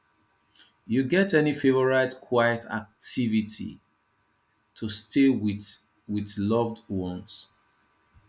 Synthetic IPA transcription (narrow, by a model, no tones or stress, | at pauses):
juɡɛtɛnifevɔɹaɪtkʰwajətʰa̰k̚tivitʰḭ | tʰustʰewi | wiðlʌvdwɔ̃ns